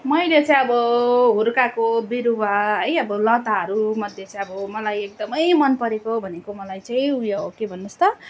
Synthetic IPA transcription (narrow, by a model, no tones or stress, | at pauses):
mʌjlet͡saĩʌbʌɦuɾkakobiɾuwaɦʌjʌbʌlʌ̃t̪aɦʌɾumʌd̪ʱjet͡saĩʌbʌmʌlajek̚d̪ʌmʌjmʌnpʌɾekobʱʌnekomʌlajt͡saĩujokebʱʌnːust̪ʌ